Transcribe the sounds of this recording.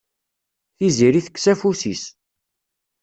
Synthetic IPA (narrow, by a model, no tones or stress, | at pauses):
θiziɾiθə̥kːsæfusḭs